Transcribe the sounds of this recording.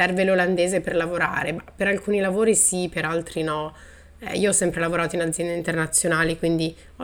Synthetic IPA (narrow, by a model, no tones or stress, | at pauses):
ɛrveloland̪eːzeperlavoɾa̰ːɾemapeɾalkuːnilavoːɾisipeɾalt̪ɾinɔ | ɛ̰ḭːoɔsːɛmpɾelavoɾaːt̪oinad̪zːjɛnd̪eint̪ernat̪sːjonaːlikwind̪i